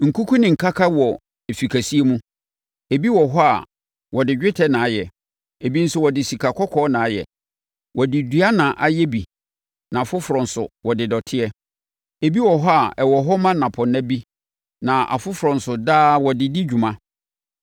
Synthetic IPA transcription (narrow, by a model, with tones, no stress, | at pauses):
ŋ̩˨ku˦kʰu˦nɪ̃˨ŋ̩˨kʰa˦kʰa˦wɔ˨ | e˨fi˨kʰæ˨si˦e˦mũ˦ | e˨bi˦wɔ˨ɦɔ˦a̰˨ | wɔ˨dɪ˨d͡ʑᶣɪ˦tʰɛ˦nã˨˦jɛ˨ | e˨bi˦n̩˦sʊ˦˨wɔ˨dɪ˨si˨kʰa˨kʰɔ˦kʰɔː˦nã˨˦jɛ̰˨ | wʔɔ˨dɪ˨dɥa˦nã˨ʔa˦jɛ˦bi˨ | nã˨a˨fʊ˦fʊ˨ɾɔ̃˨n̩˨sʊ̰˨wɔ˨dɪ˨dɔ˨tʰɪ˦ɛ˦ | e˨bi˦wɔ˨ɦɔ˦a˨ɛ˨wɔ˨ɦɔ˦mã˦nã˨pʰɔ˨nã˦bi˦ | nã˨ʔa̰˨fʊ˦fʊ˨ɾɔ̃˨n˨sʊ˨daː˦˨wɔ˨dɪ˨dɪ˦d͡ʑᶣu˨mã˦